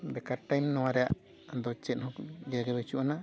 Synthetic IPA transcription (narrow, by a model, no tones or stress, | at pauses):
bɛkaɾʈajmnɔ̃waɾɛja̰ʔ | d̪ɔt͡ʃɛnhɔ̃kɡɛɡɛbɛt͡ʃuʔana